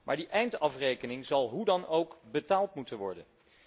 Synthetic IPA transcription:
mʔa̰ːɹdiʔɛjntɑfrejkənɪŋzɑlˠɦudɑnowkbətaːlˠtmutənʋɔɹdən

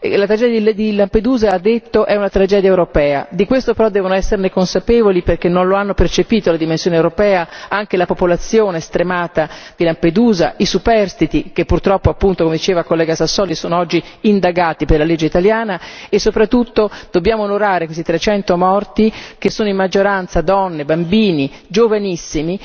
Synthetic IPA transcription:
lat̪ɾad͡ʒɛd̪jaid̪ilamped̪uːzaːd̪ːet̪ːoʔɛunat̪ɾad͡ʒɛːd̪jaɛewɾopɛːa̰d̪ikwest̪opeɾɔd̪ːɛːvonoɛsːernekonsapeːvoliperk̟enːonloanːopert͡ʃepiːt̪olad̪imensjoːnewɾopɛːaaŋk̟elapopolat̪sːjoːneːst̪ɾemaːt̪ad̪̥ilamped̪uːza̰ʔisupɛrst̪it̪ikepːurt̪ɾɔpːoapːunt̪okomed̪it͡ʃeːvakolːɛːɡasasːɔːlisoːnoɔd͡ʒːiːnd̪aɡaːt̪iperlaled͡ʒːeit̪aljaːnaesːopɾat̪ːut̪ːod̪̥obːjaːmoːnoɾaːɾekwest̪it̪ɾet͡ʃɛnt̪omɔrt̪ikesːoːnoimːad͡ʒːoɾant̪sad̪ɔnːebambiːnid͡ʒovanisːimi

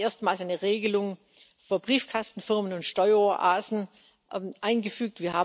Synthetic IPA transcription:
ʔeːɐstmaːlsaɪnəʁeːɡəlʊŋ | fyːɐbʁiːfkʰastn̩fɪɐmənʊntʃtɔʏɐoʔaːzn̩ | ʔaɪnɡəfyːk̚tv̥iːɐhaː

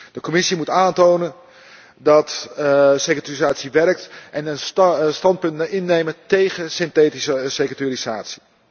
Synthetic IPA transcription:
d̥əkomɪsimutaːntoːnən | dɔt | sekatarizaːtsiʋɛrək̚tʔɛnənstɑnt̚pɵntɪnːejmətejɣəsɪnteːtisəsekətirizaːtsi̥

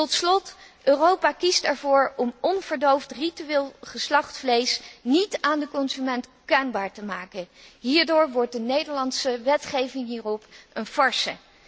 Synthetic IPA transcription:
tɔtslɔtʔøːrowpaːkistɛɹvʊːɹɔmɔnv̥əɹdowftrityʋeːlˠχəslɑχtflejsnitaːndəkɔnzymɛntkœɥnbaːɹtəmaːkənɦiːɹdoːɹʋɔɹt̚dənejdəɹlɑntsəʋɛtχejvɪŋɦiːrɔpʔənfɑɹsə̰

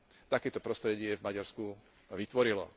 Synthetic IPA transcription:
t̪akɛːt̪ɔpɾɔst̪ɾɛɟɪɛvmaɟaɾsku | ʋit̪ʋɔɾilɔ̰

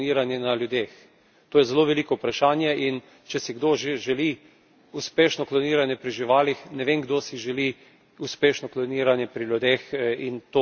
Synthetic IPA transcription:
niːɾanjɛnaljud̪eːx | t̪oːjɛzɛloʋɛliːkɔʊpɾaʃaːnjɛʔin | t͡ʃɛsiɡd̪oʒeʒɛli | uspeːʃnɔklɔniːɾanjɛpɾiʒiʋaːlixnɛʋeŋɡd̪osiʒɛli | uspeːʃnɔklɔniːɾanjɛpɾiljud̪eːxint̪oː

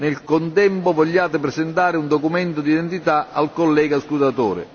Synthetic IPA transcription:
nɪlkont̪ɛmpʊvɔʎːaːt̪ɪpɾɛsɛnt̪aːɾɪund̪ɔkumɛnt̪ʊd̪id̪ɛnt̪it̪aalkɔlːɛːɡaskud̪at̪o̰ːɾɪ̰

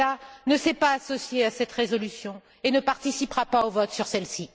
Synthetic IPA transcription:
anəsɛpaːsɔsjeasɛt̪ʁezɔlysjɔ̃ | enəpaʁt̪isipʁapaovɔt̪syʁsɛlsi

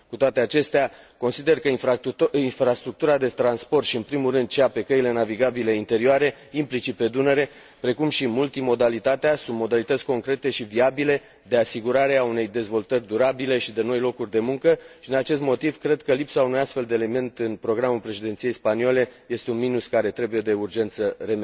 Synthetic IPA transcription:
kut̪oat̪eat͡ʃe̞st̪ea | ko̞nsid̪e̞rkəifinfɾast̪ɾuk̚t̪uɾad̪e̞t̪ɾanspo̞rt̪ʃiɨnpɾimulrɨnd̪̚t͡ʃeape̞kəile̞naviɡabileint̪e̞ɾioaɾe̞ | implit͡ʃipe̞d̪unəɾe̞ | pɾe̞kumʃimult̪imo̞d̪alit̪at̪easũnt̪̚mo̞d̪alit̪ət̪sʲko̞ŋkɾe̞t̪e̞ʃiviabile̞ | d̪e̞asiɡuɾaɾe̞aune̞jd̪e̞zvo̞lt̪ərʲd̪uɾabile̞ʃid̪e̞no̞jlo̞kurʲd̪e̞muŋkəʃid̪inat͡ʃe̞s̬t̪mo̞t̪ivkɾe̞d̪kəlipsaunujast̪fe̞ld̪eːle̞me̞nt̪ɨnpɾo̞ɡɾamulpɾe̞ʃid̪ent̪sije̞jspaniole̞je̞st̪e̞unminuskaɾe̞t̪ɾe̞buje̞d̪e̞urd͡ʒe̞nt̪sərem

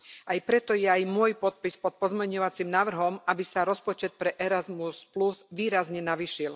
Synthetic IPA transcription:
ʔajpɾɛt̪ɔjɛajmʊɔjpɔt̪̚pispɔt̪̚pɔzmɛɲɔʋat͡simnaːʋr̩ɦɔmabisaɾɔspɔt͡ʃɛt̪̚pɾɛʔɛɾazmuspluzʋiːɾazɲɛnaʋiʃil

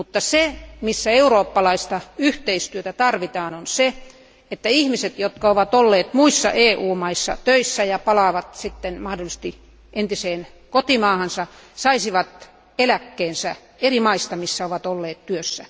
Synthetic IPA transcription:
mut̪ːɑsemisːæeuroːpːɑlɑist̪ɑyht̪eist̪yøt̪æt̪ɑrʋit̪ɑːnonse | et̪ːæihmiset̪jot̪kɑoʋɑt̪olːeːt̪muisːɑ̰ʔeːʔuːmɑisːɑ̰t̪øisːæjɑpɑlɑːʋɑt̪sit̪ːenmɑhdolːˑist̪i | ent̪iseːnkot̪imɑːhɑnsɑsɑisiʋɑt̪ | elækːeːnsæ | erimɑist̪ɑmisːæoʋɑt̪olːeːt̪tyøsːæ

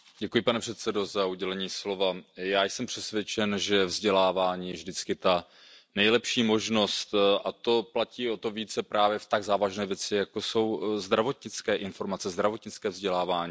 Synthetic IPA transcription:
ɟ̥ɛkujɪpanɛpr̝̥ɛt̪sɛdo̞zauɟɛlɛɲiːslo̞vajaːjsɛmpr̥ɛsvjɛt͡ʃɛnʒɛvzɟɛlaːvaːɲiːjɛvʒdɪt͡skɪt̪a | nɛjlɛpʃiːmo̞ʒno̞st̪ʔat̪o̞placiːo̞t̪o̞viːt͡sɛpɾʔaːvjɛft̪aɡzaːvaʒnɛːvjɛt͡sɪjakoso̞wzd̪ɾavo̞t̪ɲɪt͡skɛːʔɪnfo̞ɾmat͡sɛzd̪ɾavo̞t̪ɲɪt͡skɛːvzɟɛlaːvaːɲiː

